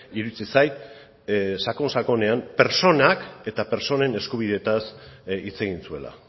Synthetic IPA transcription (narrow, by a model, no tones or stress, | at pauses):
iɾut͡sisaj | sako̞nsako̞ne̞ampe̞ɾso̞nake̞t̪ape̞ɾt͡so̞ne̞ne̞skuβ̞iðe̞t̪asit͡se̞ɣinsue̞̰la̰